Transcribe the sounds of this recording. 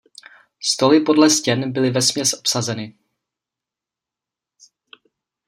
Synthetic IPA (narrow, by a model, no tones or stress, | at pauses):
st̪o̞lɪpo̞dlɛscɛnbɪlɪvɛsmɲɛsʔo̥psazɛnɪ